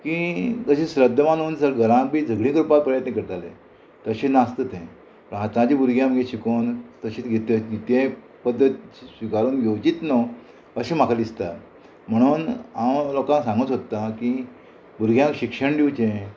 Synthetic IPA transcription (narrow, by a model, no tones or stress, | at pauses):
kid͡zəɕẽɕɾəd̪ʱːəmanuːnsəɾɡəɾãpiːd͡zʱəɡɽĩkɾupat̪̚pɾəjət̪nẽkəɾt̪alḛ̃ | t̪əɕenast̪ət̪ẽ | pəɦat̪ãd͡ʑiːbuɾɡʱjãməɡẽɕikont̪əɕiːt̪ɡʱet̪ːeit̪ẽ | pəd̪ːət̪sʋikaɾuːnɡʱewt͡ɕiːt̪no | əɕemakʰalist̪a | m̤əɽ̃uːnamlokãsãŋɡət̪ɦot̪ːaki | buɾɡʱjãŋkɕikʂəɳɖiwt͡ɕẽ